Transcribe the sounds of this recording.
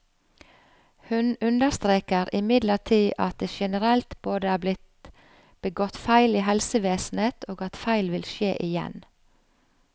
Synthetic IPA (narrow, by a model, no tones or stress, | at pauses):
hʉnʉnd̪əst̪ɾeːkəɾʔɪmɪd̪ləʈʰiːʔɑ̰t̪̚d̪eːʃɛnəɾɛlt̪b̥oːd̪əæːblɪt̪ | b̥əɡɔt̪fæɪliːɦɛlsəʋeːsn̩eːt̪ʰoːɡɑt̪fæɪlʋɪlʃeːʔɪjɛ̰n